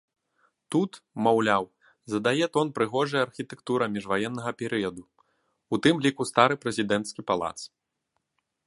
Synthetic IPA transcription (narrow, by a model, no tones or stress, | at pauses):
t̪ut̪mawlʲaw | zɐd̪ajɛt̪ɔnpɾɨɣɔʐɐjɐarxʲit̪ɛkt̪uɾɐmʲiʐvajɛnːɐɣɐpʲɛɾɨjɐd̪u | ut̪ɨmlʲikust̪aɾɨpɾɛzʲid̪ɛnt̪skʲipalˠa̰t̪s